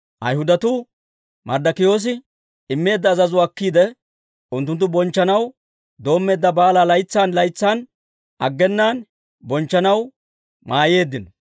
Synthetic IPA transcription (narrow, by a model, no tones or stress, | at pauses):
ʔɐ̰jhʊd̪ɐt̪uː | mʔɐɾd̪ɐkɪjo̞ːs̬ɪ | ɪmːe̞ːd̪ːɐːzɐzʊːkːiːd̪ɛ | ʊnt̪ːʊnt̪̬ːʊbɔnt͡ʃːɐnɐw | d̪o̞ːmːe̞ːd̪ːɐbaːlaːlɐjt͡sːaːnlɐjt͡sːaːn | ʔɐ̰ɡːɛnːaːn | bɔnt͡ʃːɐnɐw | maːje̞ːd̪ːɪnɔ